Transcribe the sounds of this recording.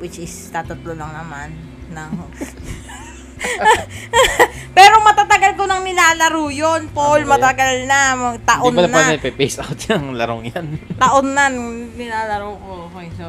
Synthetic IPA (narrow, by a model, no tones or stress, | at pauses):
wɪt͡ʃɪst̪aːt̪ɐt̪lolɐŋnɐmanː | ɐŋ | pɛːɾomɐt̪at̪ɐɡalkonɐŋnɪnaːlɐɾuːjonpolmɐt̪ɐɡalnamɐt̪ɐʔonːɛnpɛpejsʔawt̪̚jɐŋlɐɾoŋjant̪ɐʔonːɐnnɪnaːlɐɾokokojso